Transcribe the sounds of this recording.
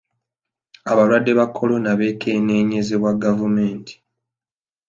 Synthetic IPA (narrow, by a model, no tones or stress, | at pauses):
aβalwadːe̞βakʰːo̞lo̞naβe̞ːkʰene̞ːɲezeβwaɡavume̞ːntʰi̥